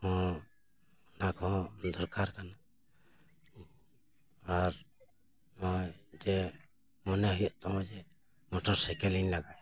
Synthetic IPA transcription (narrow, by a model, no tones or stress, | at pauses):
ɔ̃ | nakɔɔ̃d̪ɔɾkaɾkana | aɾ | mɔd͡ʒɛ | mɔnɛɦɔjɔʔt̪ɔmɔd͡ʒɛ | mɔʈɔɾsɛkɛlinlaɡaj